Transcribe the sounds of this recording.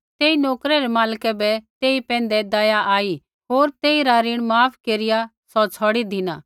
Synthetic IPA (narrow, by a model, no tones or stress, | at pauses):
t̪eːinɔːkɾɛɾɛmaːlkɛbɛt̪eːipɛ̃ːn̆d̪ɛd̪ajaʔaːi | ɦoːɾt̪eːiɾaɾɪɽ̃maːpʰkeːɾɪja | sɔt͡sʰɔːɽid̪ʱɪnaː